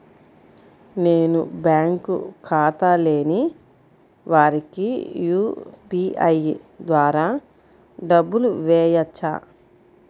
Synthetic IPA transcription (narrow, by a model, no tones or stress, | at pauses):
ne̞ːnubjaːŋkṵkʰaːt̪aleːni | ʋaːɾikijuːpiːɐjd̪ʋaːɾaː | ɖɐbːuluʋɛːjɐt͡ʃːa̰ː